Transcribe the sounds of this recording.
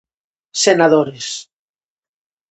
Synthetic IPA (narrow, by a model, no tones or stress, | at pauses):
senaðoɾes